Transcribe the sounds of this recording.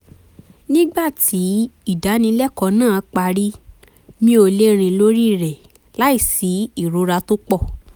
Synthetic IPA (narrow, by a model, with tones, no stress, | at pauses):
nĩ˦ɡ͡ba˦˨ti˨˦i˦˨da˨˦nĩ˧˦lɛ˦kɔ˧nãː˦˨k͡pa˧ɾi˦ | mĩ˧˦o˧le˦ɾ̃ĩ˧lo˦ɾi˦˨ɾɛ˨ | la˦i˦˨si˨˦i˦˨ɾo˨˧˦ɾa˧to˦k͡pɔ˦˨